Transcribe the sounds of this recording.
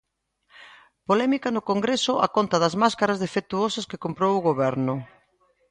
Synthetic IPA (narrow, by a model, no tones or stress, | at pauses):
polɛmikɐnʊkoŋɡɾesʊʔa̰kont̪ɐðɐzmaskaɾazðefek̚t̪uosɐskɪkompɾowʊɣoβɛɾnʊ